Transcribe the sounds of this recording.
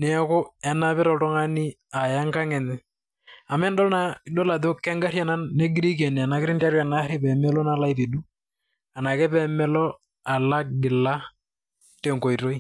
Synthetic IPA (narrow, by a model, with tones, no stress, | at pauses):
nɛ˨ɛ˦kʊ˦ɛ˨na˦pɪ˦ɾɔ˨tɔ˦ŋa˦ni˦ | a˨ja˦ŋka˦ŋɛ˨nɪ˦ | a˨mɛ˦ndɔ˦lna˦i˨ɗɔ˦la˨ðo˦kːɛ˦ŋɡa˦ɾja˦˨na˦nːɛ˦ɡɾi˦k̬ɛ˨n˨a˨na˨kɪɾɪ˦nta˦ɾa˨na˨˦ɾi˦pɛ˨mɛ˦lɔ˦na˦la˦i˦pi˨ɗu˦ | a˨na˨kɛ˦pɛ˦mɛ˦lɔ˦ | a˨la˦ɡɪ˨la˦ | te˨ŋko˨i˨ɾo˦i˦